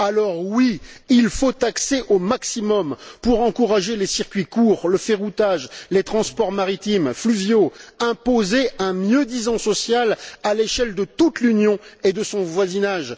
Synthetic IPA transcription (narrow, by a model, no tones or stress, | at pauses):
alɔʁwiilfot̪aksɛʔomaksimɔmpuʁɑ̃kuʁaʒelesiʁkʲɥikuːʁləfeʁut̪aʒlet̪χɑ̃spɔʁmaʁit̪imflyvjoɛ̃pozeɛ̃mjød̪izɑ̃sɔsjalaleʃɛld̪ət̪ut̪lynjɔ̃ed̪əsɔ̃vwazinaʒ